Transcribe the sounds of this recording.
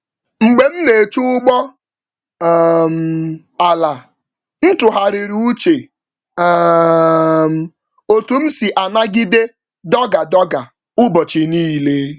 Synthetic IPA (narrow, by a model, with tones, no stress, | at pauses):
ŋ͡m̩˨ɡ͡be˦m̩˦ne˨t͡ʃu˦ʊ˦ɡ͡bɔ˦ | m̩˨ | a˨la˨ | n̩˦tʊ˨ɦa˨ɾɪ˨ɾu˨u˦t͡ʃe˨˦ | m̩˨ | o˨tu˨m̩˦si˨ʔa˨na˦ɡɪ˦de˦ | dɔ˦ɡa˨dɔ˦ɡa˨ | ʊ˦bɔ˨t͡ʃe˨niː˦˨le˦